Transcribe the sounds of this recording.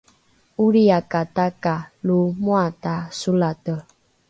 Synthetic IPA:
uɾiakatakalomwatasulatə

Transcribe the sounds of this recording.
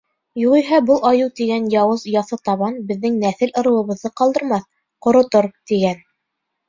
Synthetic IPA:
juʁiɦɑbɤlˠɑjɤwt̪iɡænjɑwɤzjɑθɤt̪ɑβɑnbɘ̆ðːɘŋnæθɘlŏɾɤ̆wˠɤ̆βɤ̆ðːɤqɑlˠd̪ɤ̆ɾmɑθ | qŏɾŏt̪oɾt̪iɡæn

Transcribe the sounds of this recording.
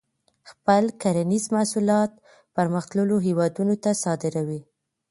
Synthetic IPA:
xpəlkaɾanizmasulɑt̪ | pəɾməxt̪ləloɦewɑd̪unot̪asɑd̪ɪɾawi

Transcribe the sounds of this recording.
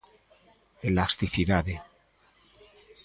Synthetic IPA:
elast̪iθiðaðe

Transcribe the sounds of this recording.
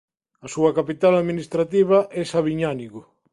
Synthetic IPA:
asuɐkapit̪alaðminist̪ɾat̪iβ̞aʔɛsaβiɲaniɣo

